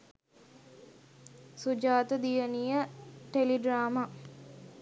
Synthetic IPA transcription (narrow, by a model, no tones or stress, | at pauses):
sud͡ʒaːt̪əd̪ijənijəʈeliɖraːma